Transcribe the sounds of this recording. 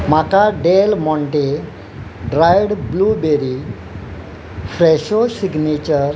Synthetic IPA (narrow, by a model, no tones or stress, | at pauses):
m̤akaɖelmɔ̃ɳʈe | ɖɾajɽblubeɾi | fɾɛɕosiɡnet͡ɕəɾ